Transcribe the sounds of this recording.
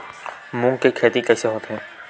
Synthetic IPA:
mũːŋkekʰeːt̪ikɛːseɦoːt̪eɦɛ̃ː

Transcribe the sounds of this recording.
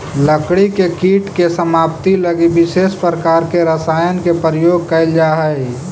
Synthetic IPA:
ləkɽikekiːʈkesəmaːpt̪iləɡibɪseːspɾəkaːɾkeɾəsaːjənkepɾəjoːɡ̚kəɪld͡ʒaɦəɪ

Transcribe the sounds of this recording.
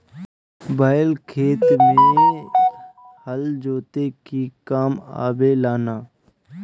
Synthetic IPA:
baːlkʰeːt̪m̃ẽ | həld͡ʒoːt̪ekikaːma̰ːbelaːnaː

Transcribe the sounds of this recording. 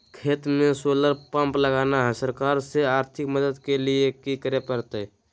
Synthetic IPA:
kʰeːt̪mẽsoləɾpə̃mpləɡaːnaɦɛsəɾkaːɾseaːɾt̪ʰɪkməd̪əd̪keliekikəɾepəɾt̪e

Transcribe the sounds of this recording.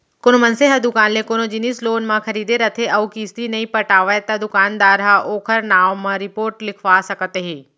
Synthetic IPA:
kʊnmɐnseɦɐd̪ʊkaːnlekoːnod͡ʒɪnisloːnmãkʰɐɾiːd̪eɾɐt̪ʰeɐukiːst̪inɐĩpɐʈaːʋəet̪ɐd̪ʊkaːnd̪aːɾɦaʔoːkʰəɾnaːʋmãɾɪpoːɾʈlɪkʰʋasɐkət̪ɦeː

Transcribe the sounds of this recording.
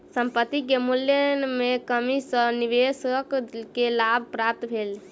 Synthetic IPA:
səmpət̪ːikemuljənmekəmisə̃niʋesəkkelabʱpɾap̚t̪bʱel

